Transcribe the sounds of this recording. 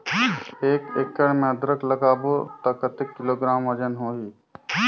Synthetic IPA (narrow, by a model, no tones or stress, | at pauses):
eːkekːəɽmẽəd̪ɾəkləkaːbot̪ɐkət̪ɪkːɪloːɡɾaːmɐd͡ʒənɦoːɦiː